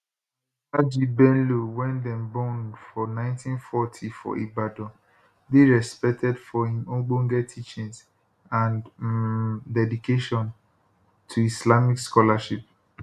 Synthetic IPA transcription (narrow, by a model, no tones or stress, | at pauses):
ad͡ʒibɛ̃nluwɛ̃ndɛ̃mbɔ̃ndfɔnãɪ̃ntĩnfɔtʰifɔ̰ʔibadɔ̃ | deɹɛspɛk̚tʰɛdfɔhĩmõɡ͡bõŋɡɛtʰit͡ʃĩŋs | ãn | dɛdikeʃɔ̃n | tʰuislamikskɔlaʃip̚